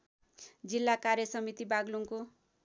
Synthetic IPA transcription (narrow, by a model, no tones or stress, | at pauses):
d͡zilːakarjʌsʌmit̪ibaɡluŋko